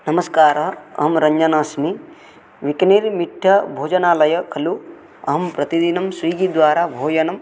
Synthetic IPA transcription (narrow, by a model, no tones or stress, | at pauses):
nɐmɐskaːɾɐɦɐɦɐmɾɐɲd͡ʒɐnaːsmi | ʋikɐniːɾmiʈʰːɐbʱoːd͡ʒɐnaːlɐjɐkʰɐlu | ɐ̰ɦɐmpɾɐt̪id̪inɐmsʋiːɡid̪ʋaːɾaːbʱoːjɐnɐm